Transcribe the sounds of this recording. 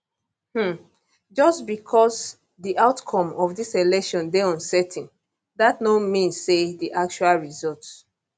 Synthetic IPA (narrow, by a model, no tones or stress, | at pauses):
hm̩ | d͡ʒɔstbikʰɔs | diʔaʊtkʰɔ̃mɔfdiselɛkʃɔ̃ndeɔ̃nsɛtʰĩn | datnomĩnsːediʔak̚t͡ʃualɹizɔlts